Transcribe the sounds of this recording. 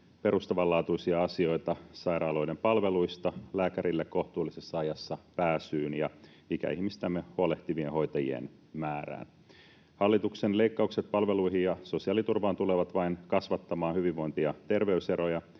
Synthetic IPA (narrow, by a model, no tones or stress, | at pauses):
pe̞ɾust̪ɑʋɑlːɑːt̪uisiɑɑsio̞jt̪ɑsɑjɾɑːlo̞jdempɑlʋe̞lujst̪ɑlæːkæɾilːekkːo̞ht̪uːlːisesːɑɑjɑsːɑpæːsyːnjɑ | ikæ̰ihmist̪æmːehuole̞ht̪iʋiẽho̞jt̪ɑjḭḛn | mæːræ̰ːn | hɑlːit̪uksenle̞ikːɑukset̪̚pɑlʋe̞luiɦijɑso̞siɑːlit̪urʋɑːnt̪uleʋɑt̪ʋɑinkɑsʋɑt̪ːɑmɑːnhyʋiʋːo̞int̪iɑt̪e̞rʋe̞yse̞ɾo̞jɑ